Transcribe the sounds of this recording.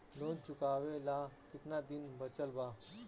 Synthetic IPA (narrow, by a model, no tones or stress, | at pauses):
lõːd͡ʒt͡ʃʊkaːʋelakɪt̪nad̪ɪnbət͡ʃəlba